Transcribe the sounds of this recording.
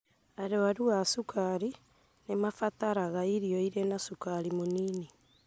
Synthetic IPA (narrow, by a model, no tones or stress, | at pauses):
aɾewaɾuasukʰaɾi | nemafataɾaɣaiɾioiɾenasukaɾimoniːni